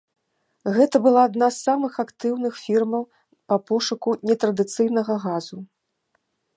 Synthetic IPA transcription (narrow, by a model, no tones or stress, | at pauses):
ɣɛt̪ɐbɨlˠaːd̪nasːamɨxakt̪ɨwn̪ɨxfʲirmɐw | pɐpɔʂukunʲɛt̪ɾɐd̪ɨt̪sɨjn̪ɐɣɐɣazu